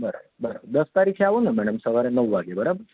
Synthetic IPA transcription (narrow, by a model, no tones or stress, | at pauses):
bəɾa̰bəbəɾa̰bəɾd̪əst̪aɾikʰeaʋonəmɛɽəmsəʋaɾenəʋʋaɡebəɾabəɾ